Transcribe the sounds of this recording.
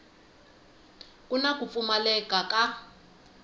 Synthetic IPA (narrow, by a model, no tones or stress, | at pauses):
kunak̬ʼup̪fumalɛkʼakʼa